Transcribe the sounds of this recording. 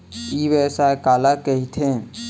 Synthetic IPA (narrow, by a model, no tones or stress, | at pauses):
ibɛsaekaːlakəɦit̪ʰẽ